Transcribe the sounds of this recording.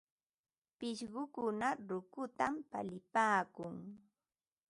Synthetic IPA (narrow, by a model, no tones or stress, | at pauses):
pɪʃɢʊkʊnaɾʊkʊt̪ampa̰lɪpaːkʊŋ